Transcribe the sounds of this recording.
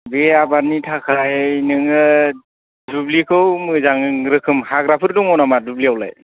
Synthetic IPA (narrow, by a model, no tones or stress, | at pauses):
beabaɾnitʰakʰajnɯŋɯ | dublikʰɯwmɯzaŋɯŋɾɯkʰɯmhaɡɾapʰɯɾdɔŋɔwnamadubliawla̰j